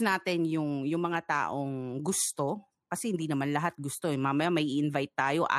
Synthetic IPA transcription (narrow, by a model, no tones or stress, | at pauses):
naːt̪ɪnjʊŋjʊŋmɐŋat̪a̰ːʔoŋɡʊst̪o̞ | kɐsɛhɪnd̪iːnɐmanlɐɦat̪̚ɡʊst̪oɛmamɐjamɐʔiʔɪnvajt̪ːaːjoʔɐ̰